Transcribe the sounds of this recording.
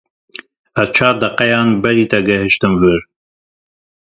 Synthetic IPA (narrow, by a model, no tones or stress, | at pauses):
ɛzt͡ʃʰaːd̪ɐqɛjɑːnbɛɾiːt̪ɐɡɛɦɨʃt̪ɨmvɨɾ